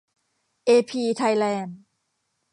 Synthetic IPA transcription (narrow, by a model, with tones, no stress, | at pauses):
ʔeː˧pʰiː˧t̪ʰa˧jlɛː˧n